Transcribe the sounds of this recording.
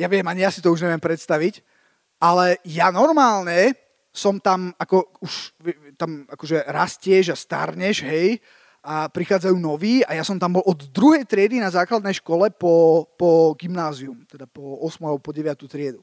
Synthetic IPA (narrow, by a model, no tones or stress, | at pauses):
jaʋɪɛmaɲijasit̪ɔuʒɲɛʋɪɛmpɾɛt̪st̪aʋic | ʔalɛjanɔɾmaːlɲɛ | sɔmt̪amakɔuʃʋɛt̪amakɔʒɛɾascɪɛʒast̪a̰ɾɲɛʒɦɛj | apɾixaːd͡zajuːnɔʋiːajasɔmt̪ambɔlɔd̪d̪ɾuɦɛjt̪ɾɪɛd̪inazaːklad̪nɛjʃkɔlɛpɔpɔɡimnaːziumt̪ɛd̪apɔɔsmualɛbɔpɔɟɛʋɪat̪ut̪ɾɪɛd̪u